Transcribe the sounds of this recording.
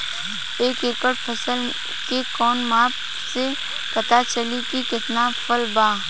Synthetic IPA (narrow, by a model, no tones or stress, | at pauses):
eːkeːkəɽpʰəsəl | kekɔːnmaːp | se | pɐt̪at͡ʃəlikikɪt̪napʰəlbaː